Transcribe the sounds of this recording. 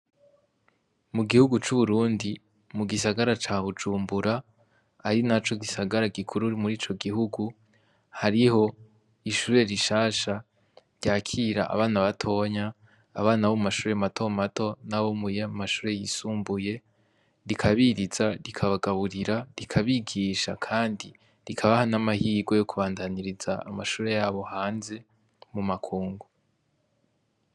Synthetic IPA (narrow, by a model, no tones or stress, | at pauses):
muɡihuɡut͡ʃuβuɾuːndi | muɡisaɡaɾat͡ʃaːβud͡ʒuːmbuɾaː | ɾinat͡ʃo̞ɡisaɡaɾaɡikʰuɾuɾimuɾiːt͡ʃo̞ɡiɦuɡu | haɾiho̞ | iʃuːɾe̞ɾiʃaːʃa | ɾɟaːkʰiɾaʔa̰βaːnaβatʰo̞ɲaː | βaːnaβomumaʃuːɾematʰo̞mato̞naβomujamaʃuːɾe̞jisuːmbuje̞ | ɾikʰaβiɾiz̥aɾikʰaβaɡaβuɾiɾaɾikʰaβiɡiːʃakʰaːndi | ɾikʰaβahanamahiːɡo̞jo̞kuβaːndaniɾizaːmaʃuːɾe̞jaːβo̞haːnze̞ | mumakʰuːŋɡu